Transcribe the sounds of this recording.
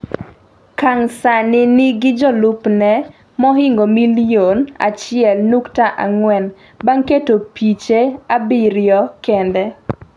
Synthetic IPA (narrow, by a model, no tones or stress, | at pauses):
kaŋsanɪnɪɡɪd͡ʒɔlʊpnɛ | mɔɦɪŋɡomiljona̰t͡ʃɪɛlnuktaʔa̰ŋwɛn | baŋketopit͡ʃeabɪɾɪjɔkende